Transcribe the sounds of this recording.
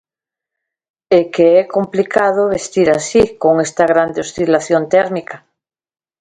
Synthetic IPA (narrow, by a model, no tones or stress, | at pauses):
ekeɛkomplikað̞oβest̪iɾasikoŋest̪aɣ̞ɾand̪eost̪ilaθjont̪eɾmika